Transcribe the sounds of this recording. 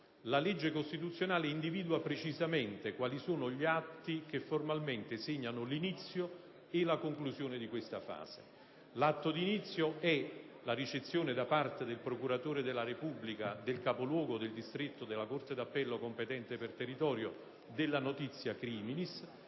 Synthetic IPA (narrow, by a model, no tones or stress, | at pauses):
laled͡ʒːekost̪it̪ut̪sːjonaːleind̪iviːd̪uapɾet͡ʃizamɛnt̪ekwaːlisoːnoʎiat̪ːik̟efːormalment̪eseɲːanʊlinit̪sːjo | ɪlakoŋkluzjoːned̪ikwest̪afa̰ːzḛ | lat̪ːod̪init̪sːjoɛ | laɾit͡ʃet̪sːjoːned̪apart̪ed̪elpɾokuɾat̪oːɾed̪elːaɾepubːlikad̪elkapolwɔːɡod̪eld̪ist̪ɾet̪ːod̪elːakort̪ed̪apːɛlːokompet̪ɛnt̪epert̪erːit̪ɔːɾjo | d̪ɪlːanot̪it̪sːjakɾiːminis